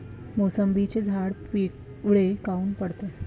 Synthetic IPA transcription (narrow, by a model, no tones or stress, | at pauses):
mosəmbit͡ɕed͡zʱaɽpiːʈ | ɭekauːnpəɽt̪e